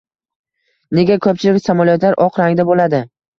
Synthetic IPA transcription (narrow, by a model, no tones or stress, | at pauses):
ne̞ɡʲakʰɵp̚t͡ʃʰɪlɪkʲsamaljɒt̪laɾʔɒqɾaŋd̪abolad̪ɪ